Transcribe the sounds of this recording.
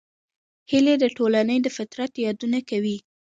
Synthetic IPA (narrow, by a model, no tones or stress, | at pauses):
hiled̪əʈolanəjd̪əfɪt̪ɾat̪jɑd̪unakawi